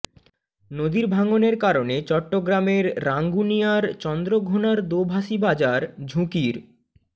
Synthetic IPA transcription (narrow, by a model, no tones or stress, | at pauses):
nod̪iɾbʱaŋoneɾkaɾonet͡ɕɔʈːoɡɾameɾːaŋɡunijaɾt͡ɕɔnd̪ɾoɡʱonaɾd̪obʱaʃibad͡ʑaɾd͡ʑʱũkiɾ